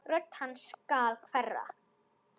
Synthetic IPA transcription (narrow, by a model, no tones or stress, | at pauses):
rœt̪hanːskaːlkʰvɛrːa̰